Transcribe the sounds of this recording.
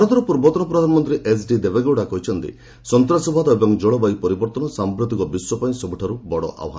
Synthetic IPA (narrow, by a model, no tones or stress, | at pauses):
ɾɔt̪ɔɾɔpuɾbɔt̪ɔnɔpɾɔd̪ʱanɔmɔnt̪ɾiʔes̬ɖid̪ebeɡowɽakɔɦit͡ʃʰɔnt̪ḭ | sɔnt̪ɾasɔbʱad̪ɔebɔŋd͡ʒɔɭɔbajpɔɾibɔɾt̪ɔnɔsampɾut̪ikɔbiswɔpaĩsɔbuʈʰaɾubɔɽɔ̰ʔa̰wɦa